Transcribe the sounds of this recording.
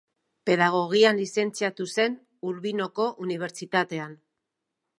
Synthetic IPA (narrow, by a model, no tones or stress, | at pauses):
pe̞ðaɣ̞o̞ɣ̞ianlise̞nt͡siat̪use̞n | uɾβino̞ko̞ʔuniβ̞e̞ɾt͡sit̪at̪e̞an